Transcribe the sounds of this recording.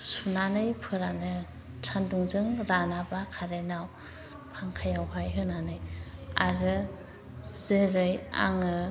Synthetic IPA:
sunanɯjpʰɯɾanɯ | tʰanduŋzɯŋɾanabakʰaɾenaw | pʰaŋkʰajawɦajɦɯnanɯja̰ɾɯ | zeɾɯja̰ŋɯ

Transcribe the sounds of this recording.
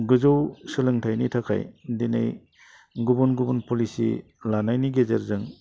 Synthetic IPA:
ɡɯzɯwsɯlɯŋtʰajnitʰakʰa̰jdenḛj | ɡubunɡubunpolisḭ | lanajniɡezeɾzɯŋ

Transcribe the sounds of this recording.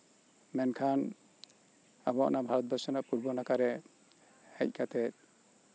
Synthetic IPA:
mɛnkʰan | abɔa̰ʔnabʱaɾɔt̪̚bʱɔsɔnaʔpuɾbɔnakaɾɛ | hɛc̚ˀkʰat̪ɛt̪̚

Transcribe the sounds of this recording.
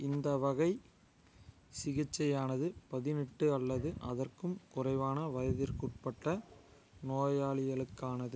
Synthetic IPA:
ɪnd̪ɐʋɐɣɐɪ | sɪɣɪt͡ʃːɐjaːnɐðɯpɐðɪnɪʈːɯɐlːɐðɯʔɐðɐrkɯmkʊrɐɪʋaːnɐʋɐjɐðɪɾkuʈ̚pɐʈːɐ | noːjaːɭɪɣɐɭɯkːaːnɐðɯ

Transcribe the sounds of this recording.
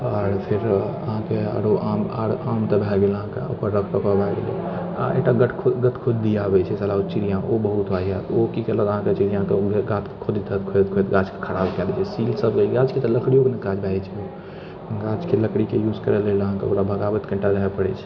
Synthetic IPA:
aɾpʰeɾə̰ɦãkea̰ɾoʔama̰ɾamt̪əbʱaɡeləɦãkḛo̰pəɾːəkʰpəkabaɡḛlḛ | a̰ḛʈaɡəʈʰkʰoɡət̪kʰod͡ʒd̪ijabɛt͡ʃʰɛsalaut͡ʃiɾijãobəɦut̪baɦijat̪okit͡ʃələəɦãket͡ʃid͡ʒəɦãkeɡat̪kʰod̪it̪ət̪kʰot̪kʰojt̪ɡad͡ʒke̥kʰəɽabkɛlɛt͡ʃʰɛsilsəbɡelɡad͡ʒket̪ɔləkʰɽijokeneɡad͡ʒbʱaɛt͡ʃʰɛo | ɡad͡ʒkeləkɽikejuzkəɾɛleləɦãkḛo̰kɾabʱəɡabɛt̪kəɳʈaɡaɦɛpəɽɛt͡ʃʰɛ̥

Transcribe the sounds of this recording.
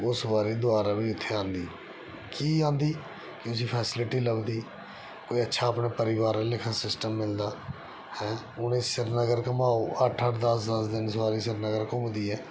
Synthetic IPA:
ʊsbaːɾiːd̪ʊaːɾaːbĩːʊt̪ʰːeːãːnd̪iː | kiːãːnd̪iː | kɪʊs̬iːpʰɛːsɪlɪʈiːləɡd̪iː | koːiːətːʃʰaːəpnaːpəɾɪʋaːɾlɪkʰãːsɪsʈəmːɪld̪aː | hɛ̃ː | ʊnẽːsɪɾnəɡəɾkəmaːoːʔəʈʰəʈʰd̪əsd̪əsd̪ɪnsaːɾiːsɪɾnəɡəɾkəmd̪iːɛː

